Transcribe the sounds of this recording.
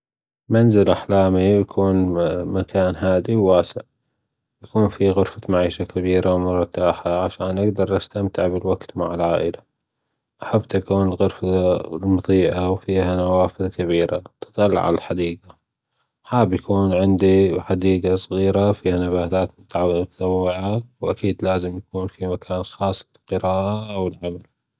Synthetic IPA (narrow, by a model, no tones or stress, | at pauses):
manzɪlʔaħlaːmijakʰuːnmakʰaːnɦaːd̪iwːaːsɪ̰ʕ | jakuːnfiɣʊɾfamaʕiːʃakabiːɾawmʊɾˤt̪ːaːħaʕaʃaːnʔaɡd̪ɑɾˤʔast̪amt̪ɪʕbɪlwaɡt̪maʕɪlʕaːʔɪla | ʔaħabːt̪ʔakuːnɪlɣʊɾfalmʊðˤiːʔawfiːhanawaːfɪðkaβiːɾa̰t̪ɨ̥t̪ˤɑl̰ːʕa̰lalħad̪iːɡa | ħaːbjakuːnʕɪnd̪iħad̪iːɡasˤɣiːɾafiːhanabaːt̪aːt̪mʊt̪mʊt̪ḁt̪awːɪʕawʔakiːd̪laːzɪmjakuːnfimakʰaːnxɑːsˤːlqɨɾaːʔaʔwɪlʕamal